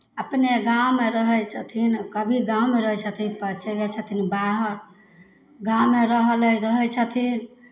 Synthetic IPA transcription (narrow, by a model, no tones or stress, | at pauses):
əpneɡawmeɾəɦəjt͡ʃʰət̪ʰinkəbʱiɡãumeɾəɦɛt͡ʃʰət̪ʰipət͡ʃəd͡ʒət͡ʃʰət̪ʰinbaɦəɾ | ɡãwmeɾəɦələɾəɦət͡ʃʰət̪ʰin